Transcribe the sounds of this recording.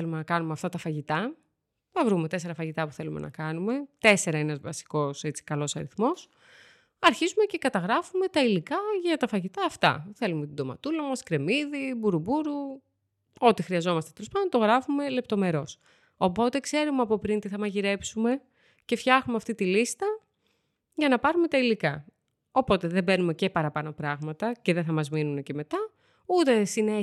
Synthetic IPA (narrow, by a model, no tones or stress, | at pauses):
elumenɐkɐnumeɐft̪ɐt̪ɐfɐʝit̪ɐ | θɐvɾumet̪ese̞ɾɐfɐʝit̪ɐpuθe̞lumḛnʔɐ̰kɐnume̞t̪e̞se̞ɾɐenɐzvɐsi̥ko̞se̞t͡si̥kɐlo̞sɐɾiθmo̞s | ɐɾçizume̞ce̞kɐt̪ɐɣɾɐfume̞t̪ɐilikɐʝɐt̪ɐfɐʝit̪ɐːft̪ɐ̰θe̞lumet̪id̪o̞mɐ̰t̪ulɐmɐskɾe̞miðibuɾubuɾu | o̞t̪ixɾiɐzo̞mɐst̪eelospɐd̪onɐt̪o̞ɣɾɐfume̞le̞p̚t̪o̞me̞ɾo̞s | o̞po̞t̪e̞kse̞ɾumeɐpo̞pɾint̪iθɐmɐʝiɾe̞psume̞ | ce̞fçɐxumeɐft̪it̪ilist̪ɐ | ʝɐnɐpɐɾume̞t̪ɐilikɐ | o̞po̞t̪e̞ðebe̞nume̞ce̞pɐɾɐpɐno̞pɾɐɣmɐt̪ɐce̞ðeθɐmɐzminunece̞me̞t̪ɐ | ut̪e̞sine